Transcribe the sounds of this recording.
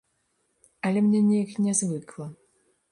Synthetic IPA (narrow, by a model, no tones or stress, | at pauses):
ɐlʲɛmnʲɛnʲɛjknʲɛzvɨklˠɐ